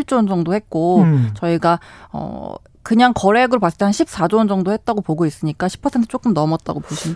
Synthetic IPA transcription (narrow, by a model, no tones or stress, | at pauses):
iɭt͡ɕ͈ond͡ʑʌŋdohe̞t̚k͈ot͡ɕʌiɡaʌ̰ | kɯɲaŋkʌɾe̞ɡɯɾopas͈ɯ̥t͈ʰeanɕʰip̚s͈ad͡ʑond͡ʑʌŋdohe̞t̚t͈aɡopoɡois͈ɯɲik͈aɕʰi̥pʰʌsʰentʰɯ̥t͡ɕ͈ok͈ɯmnʌmʌt̚t͈a̰ɡopoɕʰin